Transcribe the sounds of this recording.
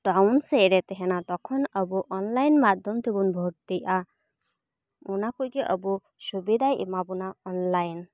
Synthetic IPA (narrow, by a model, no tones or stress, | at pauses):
ʈawnsɛɾɛt̪ɛɦɛnat̪ɔkʰɔnəbuʔɔnlajnmad̪ʱɔmt̪ebunbʱɔʈd̪ijʔa | unakujkiʔəbu | subid̪ajʔḭmabunaɔnlajn